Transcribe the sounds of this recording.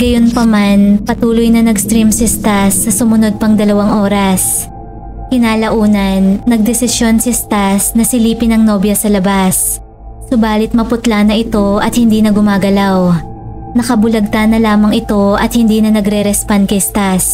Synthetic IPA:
ɡɐjo̞npɐmanpɐt̪uːlʊjnɐnɐɡst̪ɾimsɪst̪asːɐsʊmʊno̞d̪̚pɐŋd̪ɐlɐwaŋʔo̞ːɾɐs | kɪnaːlɐʔuːnɐnːɐɡ̚d̪ɛsɪsjo̞nsɐst̪asnɐsɪliːpɪnɐŋno̞ːbjɐsɐlɐbasː | obaːlɪt̪̚mɐpʊt̪lanɐʔɪt̪o̞ɐ̰t̪̚hɪnd̪iːnɐɡʊmaːɡɐlaw | nɐkɐbʊlɐɡ̚t̪anːɐlaːmɐŋɪt̪o̞ʔɐt̪̚hɪnd̪iːnɐnɐɡɾɛɾɛspand̪̚kɐjst̪as

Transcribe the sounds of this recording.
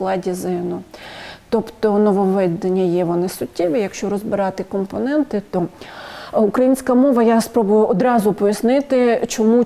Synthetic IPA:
klˠɑdʲizɪnʊt̪ɔpt̪ɔnɔʋɔʋɛd̪ɐnʲːɐjɛʋɔnɪsʊtʲːiʋijɐkʃt͡ʃɔɾɔzbɪɾɑt̪ɪkɔmpɔnɛnt̪ɪt̪ɔ | ukɾɐjinʲsʲkɐmɔʋɐjaspɾɔbʊjʊɔd̪ɾɑzʊpɔjɐsnɪt̪ɪt͡ʃɔmu

